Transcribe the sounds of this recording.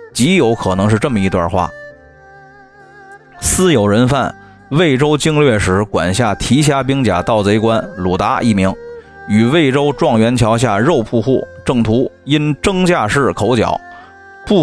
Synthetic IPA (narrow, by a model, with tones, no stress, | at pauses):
t͡ɕi˧˥jo˧˥ʊkʰɤ˨˩nɤ˧˥ŋʂɻ̩˥˧ʈ͡ʂɤ˥˩mə˩i˧˥t̪wa̰˥˧xwa̰˥˩ | sɹ̩˥jo˨˩ʊɻə˧˥nfa˥˩n | we˥˩ɪʈ͡ʂo˥ʊt͡ɕi˥˧ŋlɥɛ˥˩ʂɻ̩˧˥kwa̰˨˩nɕja˥˩t̪ʰi˧˥ɕ̬ja˥p̬i˥ŋt͡ɕja̰˨˩t̪ɑ˥˩ʊt͡se˧˥ɪkwa˥nlu˨˩t̪a˧˥ʔḭ˥˩mi˧˥ŋ | y˨˩we˥˩ɪʈ͡ʂo˥ʊʈ͡ʂwɑ˥˩ŋɥɛ˧˥nt͡ɕʰjɑ˧˥ʊɕ̬ja˥˧ɻo˥˧ʊpʰu˥˧xu˥˩ʈ͡ʂɤ˥˩ŋt̪ʰu˧˥i˥nʈ͡ʂɤ˥ŋt͡ɕja˥˧ʂɻ̩˥˩kʰo˧˥ʊt͡ɕjɑ̰˨˩˦ʊ | pu˥˩